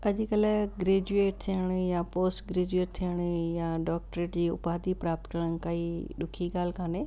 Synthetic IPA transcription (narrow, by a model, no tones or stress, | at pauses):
ɐʄkɐlaɡɾeːd͡ʑueːʈ̚t̪ʰijəɽ̃japoːsʈɡɾeːd͡ʑueːʈ̚t̪ʰijəɽ̃jãɖɔːk̚ʈɾeːʈd͡ʑiːʊ̰paːd̪ipɾaːp̚t̪kəɽ̃ən̆kaiːɗʊkʰiɠaːl̤kʰaːneː